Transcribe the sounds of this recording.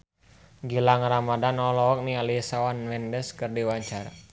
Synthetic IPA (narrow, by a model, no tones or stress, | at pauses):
ɡilaŋramadanɔlɔɔk̚nialisawanmɛndɛskərdiwaɲt͡ʃara